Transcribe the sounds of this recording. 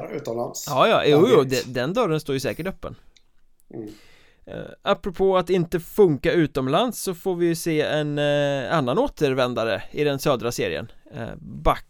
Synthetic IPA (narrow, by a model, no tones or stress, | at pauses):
ʉ̟ːt̪ɔmla̰nsjɑːjɑ̰ːjuːjud̪ɛd̪ɛnd̪œɾənst̪oːɾjɵsɛːkəʈœpːə̰n | ʔapːɾɔpʰoːat̪ɪnt̪əfɵŋkaʉ̟ːt̪ɔmlansːɔfoːɾvɪjɵseːɛnanːanoːt̪ʰəɾvɛnd̪aɾə̰ɪd̪ɛnsœːd̪ɾaseːɾɪ̰ə̰n̰ | bak